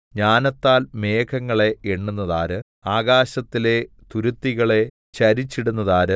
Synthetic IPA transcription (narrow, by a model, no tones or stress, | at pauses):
ɲaːnɐt̪ːaːlme̞ːkʰɐŋːɐɭe̞eɳːunːɐðaːɾɨ | aːɡaːɕɐt̪ːile̞ | t̪uɾut̪ːiɣɐɭe̞ | t͡ɕɐɾit͡ɕːiɽunːɐðaːɾɨ